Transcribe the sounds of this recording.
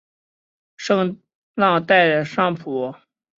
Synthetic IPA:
ʂɤ˥˧ŋ | lɑ˥˧ŋt̪a˥˩ɪə˩ʂɑ˥ŋpʰɔ˧˥

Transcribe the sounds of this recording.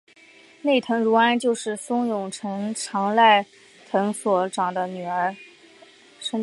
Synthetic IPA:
ne˥˩ɪt̪ʰɤ˧˥ŋɻu˧˥a˥nt͡ɕjo˥˧ʊʂɻ̩˥˩sʊ˥ŋjʊ˨˩ŋʈ͡ʂʰɤ˧˥ŋʈ͡ʂʰɑ˧˥ŋla˥˩ɪ | t̪ʰɤ˧˥ŋswɔ˧˥˩ʈ͡ʂɑ˨˩ŋd̪ə˦ny˨˩ə˞˧˥ | ʂə˥

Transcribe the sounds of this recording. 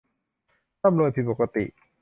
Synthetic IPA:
a˥˨mnu˧jt̪ʰiː˧˩po˨˩ka˧t̪ḭ˨˩ʔ

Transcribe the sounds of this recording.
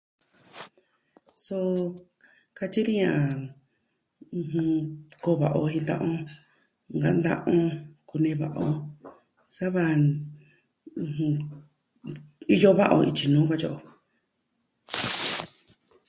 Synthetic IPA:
so˧ | ka˧t͡ʃi˦ɾi˦ɲã˨˧ | hũ˧ko˧βa˨ʔo˧ɦĩ˧nd̪ã̰˦˧ʔõ˧ | ŋɡa̰˧˦nd̪ã̰˦ʔõ˦ku˧nẽ˧βa˨ʔo˧ | sa˦βa˧ | h | i˧jo˦βa˦ʔo̰˧i˧t͡ʃi˧nũː˨˦ka˦t͡ʃo˦ʔo˧

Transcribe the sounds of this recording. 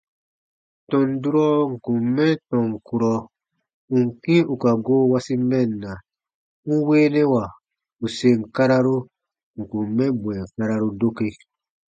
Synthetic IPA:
tɔ̃˨n˦du˦ɾɔ˦ŋ̩˨kũ˨mːɛ̃˦tɔ̃˨ŋ˨ku˨ɾɔ˨ | ũ˨ŋ̩˨kĩ˦u˨ka˨ɡoː˦wa˦si˦mɛ̃˦˨nːa˨ | ŋ̩˦weː˦nɛ˦wa˨ | u˨se˨ŋ̩˨ka˦ɾa˦ɾu˦ | ŋ̩˨kũ˨mːɛ̃˦bw̃ɛ̃˨ŋ˨ka˦ɾa˦ɾu˦do˦ke˧

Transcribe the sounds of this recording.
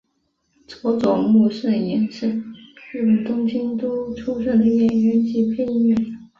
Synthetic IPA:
t͡swɔ˧˥t͡sʊ˨˩ŋmu˥˧ʂə˥˩njɛ˧˥nʂə˥˩ni˥˩mə˨˩t̪ʊ˥ŋt͡ɕʰi˥ŋt̪u˥ʈ͡ʂʰu˥ʂə˥˩d̪ə˧˥mjɛ˥˩njɛ˧˥nt͡ɕi˧˥pʰɛ˥n˥ɛ˥˩n

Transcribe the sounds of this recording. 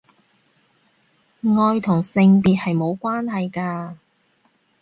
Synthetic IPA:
ŋɔː˧jt̪ʰʊ˨˩ŋsɪ˧ŋpiː˨t̚hɐ˨jmo˨˧wkʷaː˥nɦɐ˨jkaː˧

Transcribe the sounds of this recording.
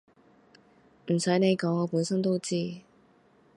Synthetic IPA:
m̩˨˩sɐ˨˥jne˨˧jkɔː˨˥ŋɔː˨˧puː˨˥nsɐ˥ŋt̪o˥wt͡siː˥

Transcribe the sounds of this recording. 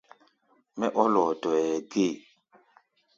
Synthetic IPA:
mɛ˦ʔɔ˦lɔ˨dɔ˨jɛ˨ɡe˦˨

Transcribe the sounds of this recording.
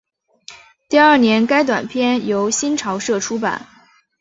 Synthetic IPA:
t̪i˥˧ɐ˞˥˩njɛ˧˥nka˥ɪt̪̬wa̰˨˩npʰjɛ˥˩njo˧˥ʊɕi˥nʈ͡ʂʰɑ˧˥ʊʂɤ˥˩ʈ͡ʂʰu˥pa̰˨˩˦n

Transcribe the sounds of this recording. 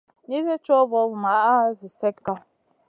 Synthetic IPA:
ni˦zɛ˦t͡ʃo˦bɔ˨˦bma˨˦ʔa˦zi˨sɛ˦kka˦

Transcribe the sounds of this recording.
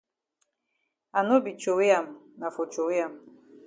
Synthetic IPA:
a˨no˦bi˨t͡ʃo˨wi˦ja˨m˨na˨fo˨t͡ʃo˨wi˦ja˨m˨

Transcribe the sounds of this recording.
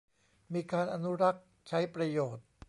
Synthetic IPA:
miː˧kaː˧nʔa˧nu˦˥ɾa˦˥k̚ | t͡ɕʰa˦˥jpɾa˧joː˨˩t̪̚

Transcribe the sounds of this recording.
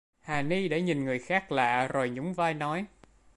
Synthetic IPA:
haː˨˩ni˧ɗa̰˧˥ɲi˨˩nŋɨ˨˩əjxaː˦˥k̚la̰ː˧˨zo˨˩jɲʊ˨˦ŋ͡mvaː˧jnɔ˨˦j

